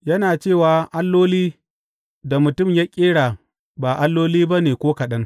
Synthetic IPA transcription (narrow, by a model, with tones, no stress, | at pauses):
jɐ˦naː˨t͡ʃeː˦˨waː˨ʔa˦lːoː˦liː˦ | da˨mʊ˨tʊ˦˨mja˦kʲʼeː˦ɽa˨ | ba˨ʔa˦lːoː˦liː˦ba˦neː˨kʷoː˦kɐ˨ɗɐ˦ŋ